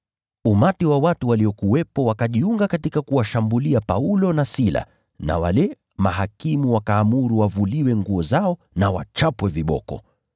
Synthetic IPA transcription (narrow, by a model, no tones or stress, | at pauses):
umatiwawatuwaliɔkuwɛpɔwakaʄiuŋɡakatikakuwaʃambuliapaulɔnasila̰ | na̰wa̰lɛ | maɦakimuwakaːmuɾuwavuliwɛŋɡuɔzaɔ | nawa̰t͡ʃapwɛviɓɔ̰kɔ̰